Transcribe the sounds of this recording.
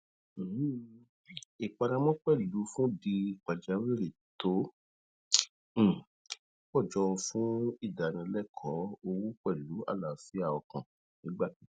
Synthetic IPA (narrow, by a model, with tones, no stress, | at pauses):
i˨k͡pa˧ɾã˧mɔ̃˦k͡pɛ˦˨lu˨˦fũ˦di˧˨k͡pa˨d͡ʒa˨˦wi˦ɾi˨to˨˦˨ | k͡pɔ˦˨d͡ʒɔ˨˧ũ˧fũ˦i˦˨da˨nĩ˧˦lɛ˦˨kʰɔ̃˨˦o˧wu˦k͡pɛ˦˨lu˨˦a̰˦˨la˨fi˨˦a˦˨ɔ˨kã˨ | nĩ˨˦ɡ͡ba˦˨ki˨˦